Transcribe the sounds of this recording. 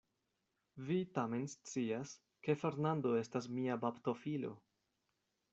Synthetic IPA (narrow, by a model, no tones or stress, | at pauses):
vitame̞nst͡sias | ke̞fe̞ɾnando̞e̞stas̬miabapt̪o̞filo̞̰